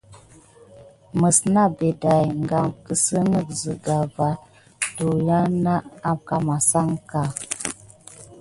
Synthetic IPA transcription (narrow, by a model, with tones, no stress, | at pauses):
mə˨sna˦be˨da˨jŋɡa˨mkə˨sə˦nə˦˨kzə˨ɡa˨va˨ | to˨ja˦na˦a˦mka˨ma˨sa˦ŋka˨